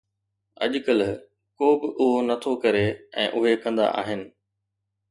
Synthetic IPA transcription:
ɐ̰ʄʊkəl | koːbɪʔʊɦonɐt̪ʰokɐɾeɛ̰̃ːʔʊɦekɐ̃nd̪a̰ʔa̰ːɦɪnɪ̆

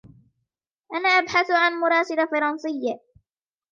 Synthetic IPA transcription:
ʔanaːʔabħaθʕanmʊɾˤɑːsɪlafɑɾˤɑnsˤɪjːa

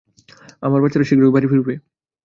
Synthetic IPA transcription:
amaɾbat͡ɕaɾeʃikɾoɡbaɾifiɾupe

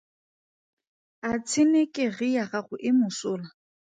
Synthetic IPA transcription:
at͡sʰɪnekʼɪɣɪjaχaχʊʔɪmʊsʊːla

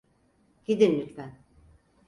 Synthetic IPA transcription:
ɟ̥id̪inmyt̪væn

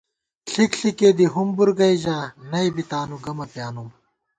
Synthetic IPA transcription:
ɬikɬikeːd̪iɦumbuɾɡɐiʑaːnɐibit̪aːnuɡɐmɐpjaːnum

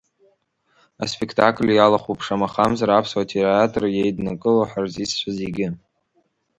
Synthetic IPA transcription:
a̰spʰʼekʰtʰakʰʼlʲjalaχupʰʂamaχamzaɾapʰswatʰiraatʰʼrjejdnakʼɨlaħarzist͡ʃʷʰazeɡʲɪ

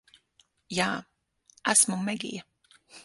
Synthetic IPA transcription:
jaː | æsmumɛɡḭjɐ

